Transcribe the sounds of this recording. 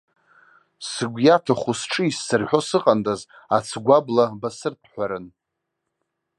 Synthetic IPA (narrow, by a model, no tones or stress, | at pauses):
sɨɡʷjatʰaχʷusʈ͡ʂʰɨisːɨrħʷᶣo̞sɨqʼandaz | at͡sʰɡʷablabasɨrpʰħʷᶣaɾɨn